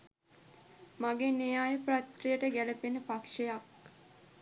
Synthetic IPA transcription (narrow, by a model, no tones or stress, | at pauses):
maɡenejaːjəprat̪rijəʈəɡæləpenəpakʂejak̚